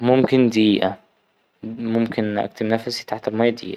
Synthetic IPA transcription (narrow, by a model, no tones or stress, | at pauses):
momkɪnd̪iːʔæ | momkʰenʔæ̰kt̪ʰemnæfæsit̪aħt̪ælmæjːæd̪ḭːʔæ